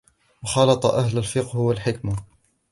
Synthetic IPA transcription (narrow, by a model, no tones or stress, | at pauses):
wɑxɑlɑt̪ˤɑʔahlalfɪqhʊwalħɪkma